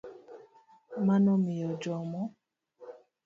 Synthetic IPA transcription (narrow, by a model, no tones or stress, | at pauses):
manɔmijɔd͡ʒɔmɔ